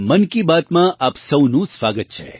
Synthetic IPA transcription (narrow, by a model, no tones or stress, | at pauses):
mənkibaːt̪mãʔaːpsəwnũsʋaːɡət̪̚t͡ʃʰḛ